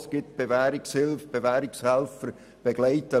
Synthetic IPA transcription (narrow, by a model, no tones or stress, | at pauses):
sɡ̥ɪt̚b̥evæːɾɪkshɪlfb̥evæːɾɪkshɛlfəɾ | b̥eɡ̥laɪtə